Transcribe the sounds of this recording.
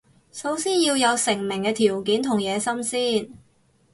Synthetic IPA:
so˨˥wsiː˥njiː˧wjɐ˨˧wsɪ˨˩ŋmɪ˨˩ŋkɛː˧t̪ʰiː˨˩wkiː˨˥nt̪ʰʊ˨˩ŋjɛː˨˧sɐ˥msiː˥˩n

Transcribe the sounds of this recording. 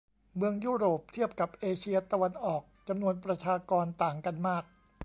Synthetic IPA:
mɯ˧əŋjuː˥˩ɾoː˨˩p̚t̪ʰi˥˩əp̚ka˨˩p̚ʔeː˧t͡ɕʰi˧ɐt̪a˧wa˧nʔɔː˨˩k̚t͡ɕa˧mnu˧ənpɾa˧t͡ɕʰaː˧kɔː˧nt̪aː˨˩ŋka˧nmaː˥˩k̚

